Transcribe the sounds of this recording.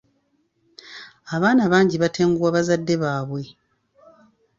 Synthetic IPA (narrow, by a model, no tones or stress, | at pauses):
aβaːnaβaːɲɟiβate̞ːŋɡuwaβazadːe̞βaːβwe̞